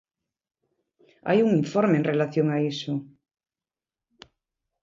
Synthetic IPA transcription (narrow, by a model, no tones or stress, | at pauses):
a̰juŋiɱfɔɾmeːnrelaθjoŋaisʊ